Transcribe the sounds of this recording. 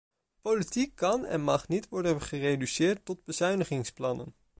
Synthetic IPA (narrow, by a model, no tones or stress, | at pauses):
politikːɑnɛ̰nmɑχnitʋɔɹdənχərejdysɪːɹtːɔd̚bəzœɥnəχɪŋsplɑnə̰n